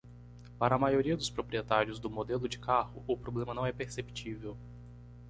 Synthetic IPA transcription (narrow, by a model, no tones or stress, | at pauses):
paɾɐamajoɾiɐd̪ʊspɾopɾiet̪aɾjʊzd̪ʊmod̪elʊd͡ʒɪkahʊʔʊpɾoblẽmɐnɐ̃w̃ɛpeɾsepi̥t͡ʃivew